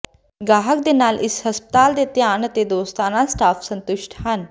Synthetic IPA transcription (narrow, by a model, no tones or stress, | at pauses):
ɡaːɦək̚d̪enaːlʔɪshɐspə̥t̪aːld̪et̪jaːnt̪ed̪oːst̪aːnasʈaːfʰsə̃nt̪ʊʃʈʰɦɐn